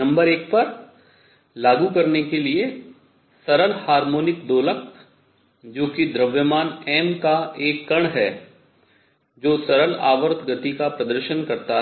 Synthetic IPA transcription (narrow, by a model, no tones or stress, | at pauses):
ɐ̃mbəɾeːk̚pɐɾ | laːɡukɐɾnekelie | sɐɾəlhaːɾmoːnɪk̚d̪oːlək̚ | d͡ʒoːkid̪ɾɐʋjəmaːnɛːmkaeːkːɐɽ̃ɦɛː | d͡ʒoːsɐɾəla̰ːʋəɾt̪ʰɡət̪ikapɾɐd̪əɾʃənkɐɾt̪aɦ